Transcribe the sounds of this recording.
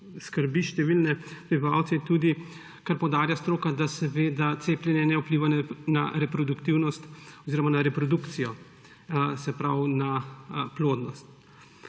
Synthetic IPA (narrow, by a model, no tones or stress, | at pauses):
skəɾbiʃt̪ɛʋilnɛpɾibiʋawt̪sɛt̪ud̪i | kaɾpɔwd̪aːɾjast̪ɾoːkad̪asɛʋeːd̪at̪seːplʲjɛnjɛnɛupliʋannaɾɛpɾɔd̪ukt̪iwnɔst̪ɔziːɾɔmanaɾɛpɾɔd̪ukt̪sijɔ | sɛpɾawnaploːd̪nɔst̪